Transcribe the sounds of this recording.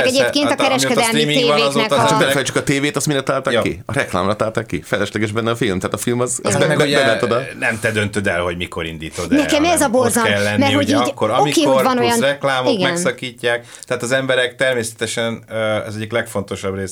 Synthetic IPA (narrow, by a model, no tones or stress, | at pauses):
ɛɟeːpkeːnɒkɛɾɛʃkɛd̪ɛlimiːzɛat͡ʃɒk̪mɛfɛjɛjt͡ʃːy̥kɒt̪eːveːt̪ɒst̪miɾɛt̪aːlt̪aːkːḭɒɾɛkla̰ːmrɐt̪aːlt̪aːkːifɛjlɛʃlɛɡɛʒbɛnːɛɒfilmt̪ɛaːt̪ɒfilmɒzɒ̰zbɛɛbɛɛnːɛt̪od̪ɒnɛmt̪ɛd̪ønt̪ød̪ɛlho̞ɟmiko̞ɾind̪iːt̪od̪nɛkɛmɛzɒborzɒmɛlːɛnmɛrhoɟiːɟkːoɾɒomikeːhovɒnojɒnrɛklaːmoiɡmɛnsɒkiːcːaːk̚ | t̪ɛɦaːt̪ɒzɛmbɛɾɛkt̪ɛrmeːsɛ̥t̪ɛʃɛnɛ̰zɛɟiklɛkfo̞nt̪o̞ʃɒbreːs